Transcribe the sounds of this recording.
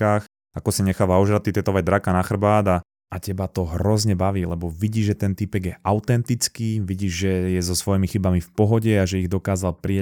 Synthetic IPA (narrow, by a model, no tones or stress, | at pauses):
aːx | akɔsiɲɛxaːʋaɔʒɾat̪it̪ɛt̪ɔʋaɟd̪ɾakanaxr̩baːd̪a | acɛbat̪ɔɦɾɔzɲɛbaʋiːlɛbɔʋiɟiːʒʒɛt̪ɛnt̪ipɛɡjɛʔaʊt̪ɛnt̪it͡skiːʋiɟiːʒʒɛjɛzɔsʋɔjimixibamifpɔɦɔɟɛaʒɛiɣd̪ɔkaːzalpɾia